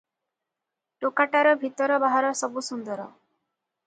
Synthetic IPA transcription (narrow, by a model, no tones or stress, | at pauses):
ʈokaʈaɾɔbʱit̪ɔɾɔbaɦaɾɔsɔbusund̪ɔɾɔ